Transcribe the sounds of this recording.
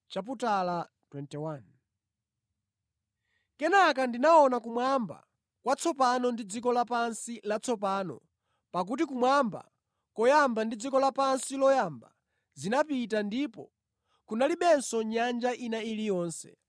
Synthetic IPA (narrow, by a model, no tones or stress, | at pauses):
t͡ʃap̬utala | twɛntɛwan | kɛnakandinaɔnakumwamba̰ | kwat͡sʰɔpanɔndid͡zikɔlapansilat͡sʰɔpaːnɔ̰ | pak̬ut̬ikumwamba̰ | kɔjambandid͡zikɔlapansilɔjamba | zinapitandipɔ̰ | kunaliɓɛnsɔɲand͡ʒaʔinailijɔːnsɛ̰